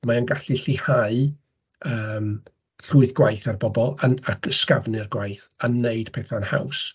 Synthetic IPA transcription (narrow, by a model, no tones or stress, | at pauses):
maənɡaɬiɬɪhaɨ | əːm | ɬuːɨθɡwajθarbɔbɔlˠanakʰəskavnɨrɡwajθanːeɨd̥pʰɛːθaənha̰ws